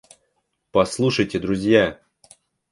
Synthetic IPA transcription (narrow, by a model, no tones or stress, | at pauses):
pɐslˠuʂəjtʲɪd̪ɾʊzʲja